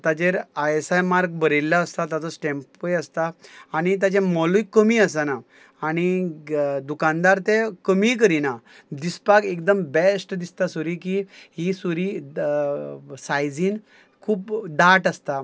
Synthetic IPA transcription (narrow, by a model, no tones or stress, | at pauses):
t̪at͡ɕeɾajesajmaɾk̚bəɾelːaəst̪at̪at͡sɔsʈɛ̃mpojəst̪aːɽ̃it̪̬jat͡ɕẽmɔlujkəmiːəsanaː | ɽ̃i | d̪ukand̪aɾt̪ekəmik̬əɾina | d̪ispakekd̪əmbɛsʈd̪ist̪asuɾikiɦisuɾi | sajd͡ziːn | kʰuːpɖaʈəst̪a